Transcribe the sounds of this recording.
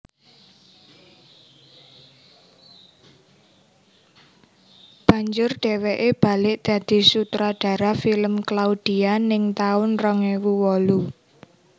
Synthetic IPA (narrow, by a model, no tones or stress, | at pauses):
b̥a̤ɲd͡ʒʊrɖ̥e̤weʔeb̥a̤lɪʔd̪̥ä̤d̪̥i̤sut̪ɾaɖ̥a̤ɾafiləmklaud̪̥ianɪŋt̪aʊnrɔŋewuwɔlu